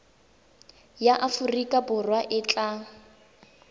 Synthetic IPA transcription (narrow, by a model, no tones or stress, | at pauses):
jaʔafurikʼabʊrwaʔɪt͡ɬʼa